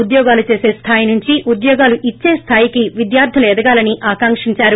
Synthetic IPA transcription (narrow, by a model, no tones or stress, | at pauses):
ud̪jɔːɡaːlut͡ʃe̞ːse̞ːst̪ʰaːjinuɲt͡ʃiʔud̪jɔːɡaːluʔit͡ʃːe̞ːst̪ʰaːjikiʋid̪jaːɾd̪ʱjɐlɐɛd̪ɐɡaːlɐniʔaːkaːŋkʂiɲt͡ʃaːɾu